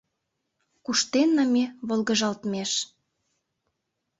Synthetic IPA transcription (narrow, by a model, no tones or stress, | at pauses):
kuʃt̪enːɑmeβolˠɣə̆ʒɑlt̪meʃ